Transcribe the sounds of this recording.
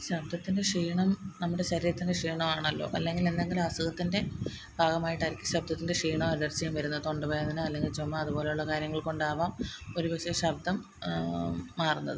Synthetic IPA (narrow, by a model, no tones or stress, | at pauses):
ɕɐb̚d̪ʱɐt̪ːinde̞ʂiːɳɐmnɐmːuɽe̞ɕɐɾiːɾɐt̪ːindeʂiːɳɐmaːɳɐlːo̰ːʔɐlːe̞ŋɡile̞nd̪e̞ŋɡilaːsɐɣɐt̪ːinde̞ | bʱaːɡɐmaːjiʈːɐɾikʲːɨ̥ɕɐb̚d̪ʱɐt̪ːinde̞ʂiːɳɐmɐɾɾɐrt͡ɕːijumʋɐɾunːɐt̪o̞ɳɖɨpoːjɐðinɨɐlːe̞ŋɡilt͡ɕomːɐɐðubo̞ːle̞juɭːɐkaːɾjɐŋːɐɭkoɳɖaːʋaːmo̞ɾuʋeɕeɕɐb̚d̪ʱɐm | aːrunːɐðɨ